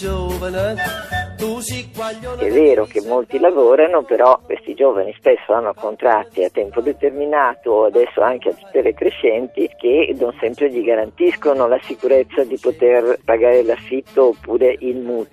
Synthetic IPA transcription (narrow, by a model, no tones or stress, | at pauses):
ɛvːeːɾok̟emːolt̪ilavoːɾanopeɾɔkːwest̪id͡ʒoːvanispesːoanːokont̪ɾat̪ːiat̪ːɛmpod̪et̪erminaːt̪oːad̪ɛsːo̰aŋkeat̪ːu̥t̪ːelekɾeʃɛnt̪ik̟ed̪onsɛmpɾeʎiɡaɾant̪iskonolasikuɾet̪sːad̪ipot̪erpaɡaːɾelafːit̪ːoːpːuːɾeʔilmuːt̪